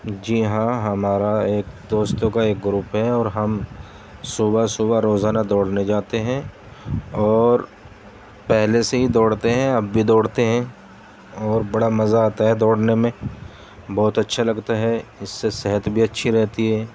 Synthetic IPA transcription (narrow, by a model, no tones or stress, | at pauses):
d͡ʒiɦãɦɐmaːɾaeːkd̪oːst̪õkaeːk̚ɡɾupɦɛɔːɾɦɐm | subasʊbaɾoːzaːnad̪ɔːɽned͡ʒaːt̪eɦɛ̃ | ɔːɾ | pɛɦleseɦid̪ɔːɽt̪eɦɛ̃ɐbːʱid̪ɔːɽt̪eɦɛ̃ | ɔːɾbɐɽamɐzaːt̪aɦɛd̪ɔːɽnemẽ | bɔːt̪ɐtːʃʰalɐɡt̪aɦɛɪsːesɛɦət̪bʱiɐtːʃʰiɾɛɦt̪iɦɛː